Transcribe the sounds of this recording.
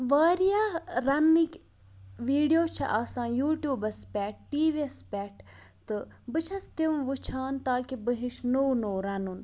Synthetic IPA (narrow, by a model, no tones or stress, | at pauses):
ʋaːɾijaːɾɐnːikʲ | ʋiːɖijoːt͡ʃʰɐ̰ʔaːsãːjuːʈjuːbɐspʲɛːʈ̚ʈiːʋiespʲɛːʈʰ | t̪ɨbɨt͡ʃʰɐst̪iʋʋut͡ʃʰaːnt̪aːkibəɦiʃnownoːɾɐnun